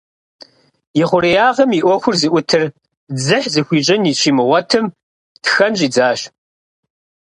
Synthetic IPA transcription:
jɪχʷʊɾijaːʁɐmiʔʷɔxʷʊrzɨʔʷʊtʰɨr | d͡zɨħzɨxʷiːt͡ʃʼɐniɕʰiːmɨʁʷɔtʰɨm | txɐnɕʼiːd͡zaːɕ

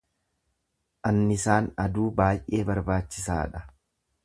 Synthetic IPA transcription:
ʔɐnːɪsaːnɐd̪uːbaːjʔʔe̞ːbɐɾbaːt͡ʃːɪsa̰ːᶑɐ

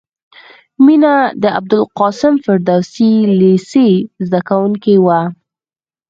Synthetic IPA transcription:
minad̪əa̰b̚d̪ʊlqɑsɪmfɪɾd̪awsilesezd̪akawuŋkewa

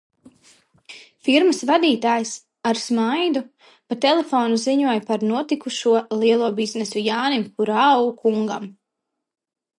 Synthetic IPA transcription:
fiɾməsvad̪iːt̪aːjs | aɾsmajd̪u | pat̪ɛlˠefɔːnuziɲuɔjpaɾnuɔt̪ikuʃuɔlˠiɛlˠuɔbiznesujaːnimpuɾakuŋɡa̰m

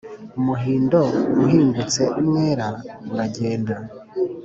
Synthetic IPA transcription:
umuɦiːndouɦiːŋɡut͡se̞ʔumŋeːɾauɾaɟe̞ːnda

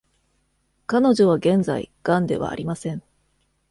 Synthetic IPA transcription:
kano̞ʑo̞βaɡẽ̞nd͡za̰ḭɡ̥ãnd̪e̞̰βa̰ːɾʲimasẽ̞ɴ

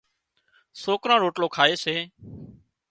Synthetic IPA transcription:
soːkɾãːɾoːʈloːkʰaːeːseː

